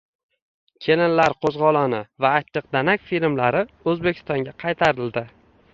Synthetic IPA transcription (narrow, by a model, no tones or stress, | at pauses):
kʲʰe̞lɪnlaɾqʰozʁɒlˠɒnɪvaːt̪ːɨq̚d̪anakʲfilmlaɾɪ | ɵzbekʰʲɪ̥st̪ɒŋɡʲaqʰɑjt̪ʰaɾɪld̪ɪ